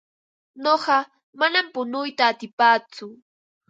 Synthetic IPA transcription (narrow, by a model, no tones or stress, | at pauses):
noɢɑ | manampʊnʊjt̪aːt̪ɪpaːt͡sʊ